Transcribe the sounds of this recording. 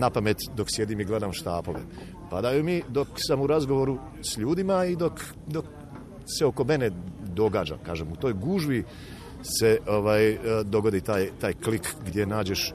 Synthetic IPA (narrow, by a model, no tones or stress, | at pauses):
napame̞t̪d̪o̞ksje̞d̪imiɡle̞d̪amʃt̪aːpo̞̰ʋḛ | pad̪ajumid̪o̞ksamuɾazɡoʋo̞ɾu | sʎuːd̪imaid̪o̞k | d̪o̞k | se̞o̞ko̞me̞ne̞d̪o̞ɡaːd͡ʒa̰kaːʒemut̪o̞ːjɡuʒʋi | se̞o̞ʋaːjd̪o̞ɡo̞d̪it̪aːjt̪aːjklikɡd̪je̞naːd͡ʑe̞ʃ